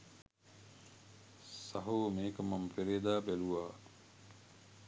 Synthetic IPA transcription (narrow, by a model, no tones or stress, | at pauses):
sɐɦuːmeːkɐmɐmfeɾeːd̪aːbeluʋaː